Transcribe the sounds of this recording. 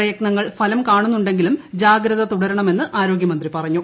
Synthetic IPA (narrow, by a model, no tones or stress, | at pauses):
ɐjɐknɐŋːɐɭfʰɐlɐmkaːɳunːuɳɖe̞ŋɡilumd͡ʑaːɡɾɐðɐt̪uɽɐɾuɳɐme̞nːɨʔaːɾo̞ːɡjɐmɐnd̪ripɐrɐɲːu